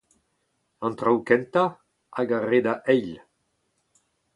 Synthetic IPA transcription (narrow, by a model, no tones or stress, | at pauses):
ɑ̃nt̪ʁawkɛnt̪a | aɡaʁed̪aʔɛjl